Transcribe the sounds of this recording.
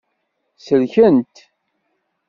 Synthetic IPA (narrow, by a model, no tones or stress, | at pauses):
səlçənt̪